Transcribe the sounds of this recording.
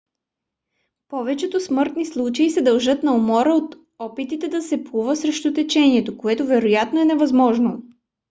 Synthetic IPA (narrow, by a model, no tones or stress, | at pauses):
pɔvɛt͡ʃɛt̪osmɤɾt̪nislˠut͡ʃɐisɛd̪ɐlˠʒɤt̪nɐomɔɾəot̪ | ɔpit̪it̪ɛd̪ɐsɛpuvəsɾɛʃt̪ot̪ɛt͡ʃɛniɛt̪okoɛt̪ovɛɾojat̪noɛnɛvɐzmɔʒno